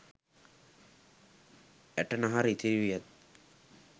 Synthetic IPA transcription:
ɛʈənaɦaɾit̪ʰiʋijət̪̚

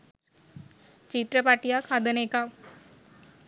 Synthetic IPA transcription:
t͡ʃit̪ɾəpaʈijakʰad̪əneka

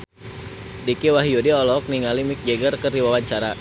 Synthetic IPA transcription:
dikiwaɦiodiɔlɔk̚niŋalimik̚d͡ʒeɡərkəriwawaɲt͡ʃaɾa

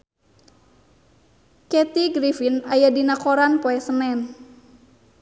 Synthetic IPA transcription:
kɛt̪iɡɾifinajadinakoɾanpɔɛsənɛn

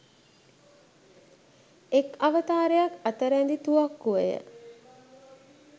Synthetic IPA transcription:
ekaʋət̪aːɾejakat̪əɾænd̪it̪uakːuʋəjə̰

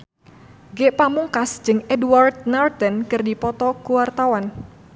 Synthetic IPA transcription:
ɡeʔpamuŋkasd͡ʒɨŋɛdward̪̚nart̪ɛnkɨrdipɔt̪ɔkuwart̪awan

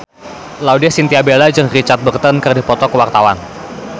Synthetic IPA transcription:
laudiasint̪iabelad͡ʒəŋrit͡ʃart̪̚bərt̪ənkɨrdipɔt̪ɔkəwart̪awan

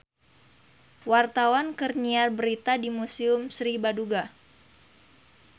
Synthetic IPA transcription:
wart̪awankərniarbəɾit̪adimusiʊmsɾibaduɡa

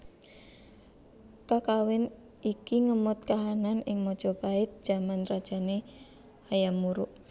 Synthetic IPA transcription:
kakawɪn | ʔikiŋəmʊt̪̚kaɦananɪŋmɔd̥ʒ̥ɔ̤b̥aɪt̪̚d̥ʒ̥a̤manrad̥ʒ̥a̤ne | hajamuɾʊʔ

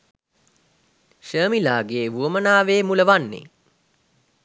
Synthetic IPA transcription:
ʃəːmilaːɡeːʋuəmənaːʋeːmuləʋanːḛ

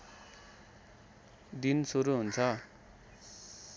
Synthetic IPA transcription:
d̪insuɾuɦunt͡sʰʌ

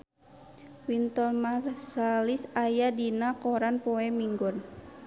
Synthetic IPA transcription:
wint̪ɔlmarsalisajadinakɔɾanpɔɛmiŋɡɔn

